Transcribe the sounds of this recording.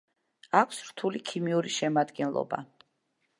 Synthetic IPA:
akʰsɾt̪ʰulikʰimiuɾiʃɛmad̪ɡɛnlˠɔ̰ba̰

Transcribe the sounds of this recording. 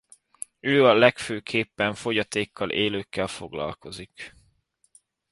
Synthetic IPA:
øːɒlɛkføːkʰeːpːɛɱfo̞ɟɒt̪eːkːɒlʔeːløːkːɛlfo̞̰ɡlɒ̰lko̞zik

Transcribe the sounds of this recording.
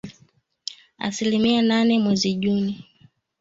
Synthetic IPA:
a̰silimiananɛmwɛziʄuni

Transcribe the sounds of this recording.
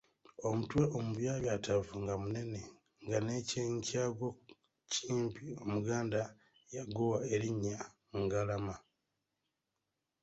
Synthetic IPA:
o̞mutwe̞ʔomuβjaːβjatavuŋɡamune̞ne̞ | ŋɡane̞ceɲcaːɡwo | cʰiːmpʰio̞muɡaːnda | jaɡowae̞ɾiɲːa | ŋɡalama

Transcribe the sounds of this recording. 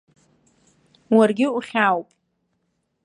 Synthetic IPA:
warɡʲɪuχʲawpʼ

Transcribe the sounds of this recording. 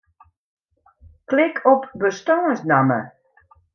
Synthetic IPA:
klɪkʰɔpbəstɔːəsnamə̰

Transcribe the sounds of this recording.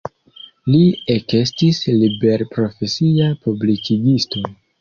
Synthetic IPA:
liekestislibe̞ɾpɾo̞fe̞siapublikʰiɡisto̞

